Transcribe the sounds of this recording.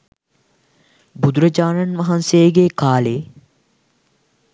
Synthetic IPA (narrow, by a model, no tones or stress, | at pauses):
bud̪uɾɐd͡ʒaːnanʋɐɦɐnsejəɡeːkaːle